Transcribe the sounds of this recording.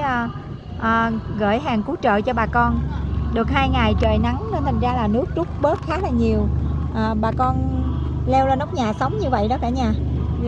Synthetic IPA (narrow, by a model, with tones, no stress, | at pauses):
ʔəː˨˩ɣə̰ː˧˩jɦaː˨˩ŋku˨˦t͡ɕə̰ː˧˨t͡ɕɔ˧ɓaː˨˩kɔ˧nɗɨ˨˩ək̚haː˧jŋa˨˩jt͡ɕəː˨˩jna˨˦ŋnɔ˧˦t̪ʰŋ̟zaː˧laː˨˩nɨ˦˥ək̚t͡ɕʊ˦˥k͡p̚ɓəː˦˥t̚xaː˨˦laː˨˩ɲi˨˩əwʔəː˨˩ɓaː˨˩kɔ˧n | lɛ˧wləː˧nɔ˦˥wk͡p̚ɲaː˨˩sə˨˦wŋ͡mɲɨ˧və̰˧˨jɗɔ˨˦kaː˧˩ɲaː˧˩